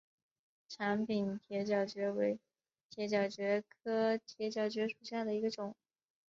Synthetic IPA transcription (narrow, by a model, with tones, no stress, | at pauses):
ʈ͡ʂʰa˧˥npi˨˩nt̪ʰjɛ˧˥t͡ɕjɑ˨˩ʊt͡ɕɥɛ˧˥we˧˥ɪ | t̪ʰjɛ˧˥t͡ɕjɑ˨˩ʊt͡ɕɥɛ˧˥kʰɤ˥t̪ʰjɛ˧˥t͡ɕjɑ˨˩ʊt͡ɕɥɛ˧˥ʂu˨˩ɕja˥˩d̪ə˩i˧˥ɡə˧ʈ͡ʂʊ˨˩˦ŋ